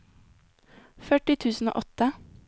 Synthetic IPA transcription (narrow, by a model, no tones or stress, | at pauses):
fœʈɪt̪ʰʉːsn̩o̰ːʔɔt̪ə